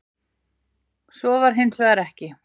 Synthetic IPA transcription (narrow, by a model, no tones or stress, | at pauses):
sɔvaɾ̥ɦɪnsvɛðɾɛhcɪ